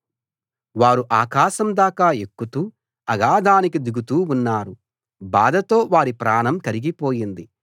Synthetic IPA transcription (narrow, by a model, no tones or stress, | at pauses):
ʋaːɾuʔaːkaːʃɐmd̪aːkaːekːut̪uː | ɐɡaːd̪aːnikid̪iɡut̪uːunːaːɾu | baːd̪ʱɐt̪o̞ːʋaːɾipɾaːnɐmkɐɾiɡipo̞ːjind̪i